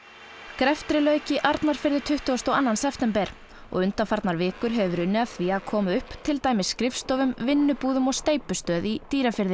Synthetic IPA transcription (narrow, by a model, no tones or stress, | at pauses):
kɾɛft̪ɾɪlœːɥcɪʔaɾt̪naɾ̥fɪɾðɪt̪ʰʏht̪ʏɔst̪ɔanːansɛft̪ɛmpɛɾ̥ | ɔ̰ɣʏnt̪afaɾt̪naɾvɪːkʏɾ̥ɦɛvʏɾʏnːɪaθviːakʰɔːmʏʏhpt̪ʰɪlt̪aːjmɪsːkɾɪfst̪ɔːvʏmvɪnːʏpuːðʏmɔɣst̪eːjpʏst̪œːðit̪iːɾafɪɾðɪ